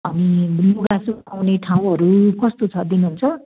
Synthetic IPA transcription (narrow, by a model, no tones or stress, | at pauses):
ʌniluɡasuawneʈʰaw̃ʌɾukʌst̪ot͡sʰʌd̪inuɦunt͡sʰʌ